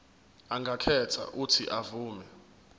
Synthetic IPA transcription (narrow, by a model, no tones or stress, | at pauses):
aŋɡʱakʰɛtʰa̰ʔutʰḭʔavuːmɛ